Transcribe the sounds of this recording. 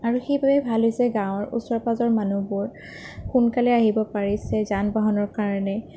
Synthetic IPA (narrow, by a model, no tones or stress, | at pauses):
aɹuxejbabɛbʱalɦojsɛɡãw̃ɔɹṵsɔɹpazɔɹmanubʊɹ | xunkalɛaɦibɔpaɹisɛzanbɔɦɔnɔɹkaɹɔnɛ